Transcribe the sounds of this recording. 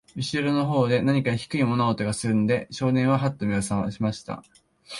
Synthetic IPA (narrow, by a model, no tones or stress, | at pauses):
mʲiɕiɾono̞ɦo̞ːd̪e̞naɲ̟ikaçi̥kɯ̟imo̞naot̪o̞ɡasɨɾɯ̟nod̪e̞ɕo̞ːnẽ̞ɰ̃βaɦat̪ːomʲiosãɰ̃a̰ɕimaɕi̥t̪a̰